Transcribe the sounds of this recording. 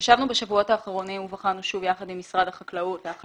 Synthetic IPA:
ʃavnubeʃavuo̞taːχaʁo̞nimuvaχanuʃuvjaχadimːisʁadhaχaklautleaχ

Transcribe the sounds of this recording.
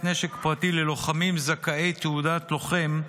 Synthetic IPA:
tneʃe̞kpʁatile̞lo̞χamimzakae̞jt̪eudat̪lo̞χe̞m

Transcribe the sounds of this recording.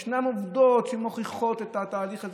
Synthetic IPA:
ʃnamovd̪ot̪ʃimoχiχo̞t̪et̪at̪aːliχaz

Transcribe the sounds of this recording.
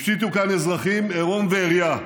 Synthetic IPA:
ʃit̪ukanezʁaχimeʁo̞nveːʁja

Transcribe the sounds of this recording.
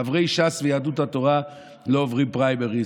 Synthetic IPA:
avʁeɪʃasvəjadutatoʁa | loːvʁimpʁaɪbɛʁi

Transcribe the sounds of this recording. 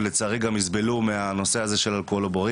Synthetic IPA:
let͡saʁiɡamizbelumeano̞se̞aze̞ʃe̞lalkoloboʁi

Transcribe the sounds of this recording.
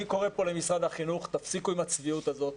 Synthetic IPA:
iko̞ʁe̞po̞le̞misʁad̪haχinuχt̪afsikuimat͡sviut̪azo̞t̪

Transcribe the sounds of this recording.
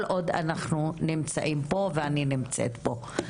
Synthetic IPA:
lʔo̞d̪a̰naχnunimt͡sa̰ʔimpo̞veaninimt͡sḛt̪bo̞

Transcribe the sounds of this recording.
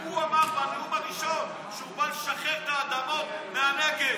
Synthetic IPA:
uamaʁbanlumaʁiʃon | ʃubalʃaχeʁt̪aːd̪amot̪meaneɡe

